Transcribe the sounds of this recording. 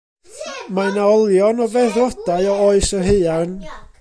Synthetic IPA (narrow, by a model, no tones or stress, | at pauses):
majnaɔlˠjɔnɔvɛrɔdaɨɔɔɨsərɦeɨan